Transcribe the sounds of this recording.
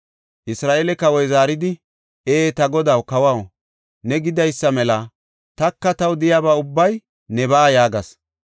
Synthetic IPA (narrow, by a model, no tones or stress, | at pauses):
ʔɪsɾaːʔelɛkɐwɔjzaːɾɪd̪ɪ | eːt̪ɐɡɔd̪ɐwkɐwɐw | nɛɡɪd̪ɐjsːɐmɛlɐ | t̪ɐkːɐt̪ɐwd̪ɪjaːbaːʊbːɐj | nɛbaːjaːɡɐs